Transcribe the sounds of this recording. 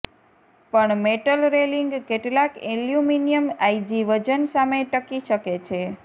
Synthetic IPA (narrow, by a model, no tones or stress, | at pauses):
pəɳmeʈəlɾeliŋɡkeʈlakiljuminijəmajd͡ʒiʋəd͡ʒənsameʈəkiʃəket͡ʃʰe